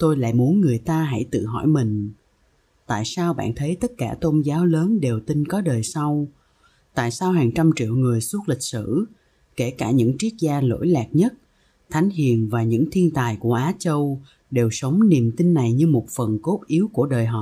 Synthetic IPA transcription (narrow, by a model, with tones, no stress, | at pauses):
t̪o˧jla̰ː˧˨jmu˨˦ənŋɨ˨˩əjt̪aː˧ɦa̰˧˩jt̪ɨ̰˧˨ɦɔ̰˧˩jmï˨˩ŋ̟ | t̪a̰ː˧˨jsaː˧wɓa̰ː˧˨nt̪ʰə˨˦jt̪ə˦˥t̚kaː˧˩t̪o˧nzaː˨˦wləː˨˦nɗe˨˩wt̪i˧nkɔ˨˦ɗəː˨˩jsa˧w | t̪a̰ː˧˨jsaː˧wɦaː˨˩ŋt͡ɕa˧mt͡ɕḭ˧˨əwŋɨ˨˩əjsu˦˥t̚lï˨˩k̟̚sɨ̰˧˨ | ke˧˩kaː˧˩ɲɨ̰˧˥ŋt͡ɕi˦˥ək̚zaː˧lo̰˧˥jlaː˨˩k̚ɲə˦˥t̚ | t̪ʰa˨˦jŋ̟ɦḭ˧˨ənvaː˨˩ɲɨ̰˧˥ŋt̪ʰi˧ənt̪aː˨˩jku˧˩əʔaː˨˦t͡ɕə˧w | ɗe˨˩wsə˨˦wŋ͡mni˨˩əmt̪ï˧nːa˨˩jɲɨ˧mo˨˩t̚fə˨˩nko˦˥p̚ʔi˨˦əwku˧˩əɗəː˨˩jɦɔ̰˨˩